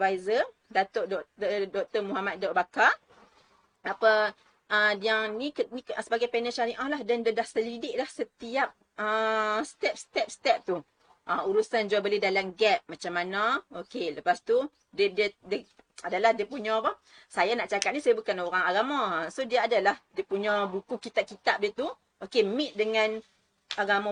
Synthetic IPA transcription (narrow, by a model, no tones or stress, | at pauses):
vajzə | dat̪oʔdɔʔt̪ədɔk̚t̪əmuɦamat̪̚daʔbaka | apə | ədiaŋnikənisəbaɡajpɛnəʃaɾiʔahlahdandədahsəlidɪʔ̚lahsət̪iap̚ | əst̪ɛp̚st̪ɛp̚st̪ɛp̚t̪u | ʔauɾusand͡ʒuabəlɪhdalamɡɛp̚mat͡ʃamːanaokeləpast̪u | dədiədə | adalahdiəpuɲɔ̃ba | sajanaʔt͡ʃakat̪̚nisajabukanoɾaŋaɡamasodiəadalahdiəpuɲɔ̃bukukit̪ap̚kit̪ap̚diət̪u | okemɪʔ̪̚dəŋan | aɡamɔ